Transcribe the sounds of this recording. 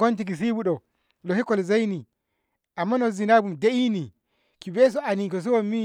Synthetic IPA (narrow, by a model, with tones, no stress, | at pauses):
ɡo˦nt̬ik̬i˨s̬i˦buɗɔ˨ | lɔhi˦kɔ˦lza˦jni˨ | ʔa˨mːa˦nɔzinabu˨mde˦ʔi˦ni˨ | ki˨bɛ˦s̬ɔ˦a˨nikɔ˨s̬i˦wɔmːi